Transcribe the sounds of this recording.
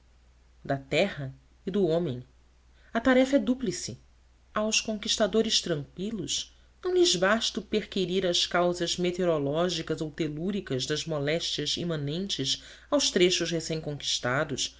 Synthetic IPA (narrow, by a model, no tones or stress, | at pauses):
d̪ɐt̪ɛhɐ | id̪ʊõmẽj̃ | ɐt̪aɾɛfɐɛd̪uplisɪ | awskõŋkiʃt̪ad̪oɾɪʃt̪ɾɐ̃ŋkʷwilʊʃ | nɐ̃w̃lɪzbaʃt̪ʊpeɾkiɾiɾɐʃkawzɐzmet̪eɾolɔʒikɐzowt̪eluɾikɐzd̪ɐzmɔlɛʃt͡ʃjɐzḭmɐ̃nẽnt͡ʃɪʃ | awʃt̪ɾeʃʊʃhesẽj̃kõŋki̥ʃt̪ad̪ʊʃ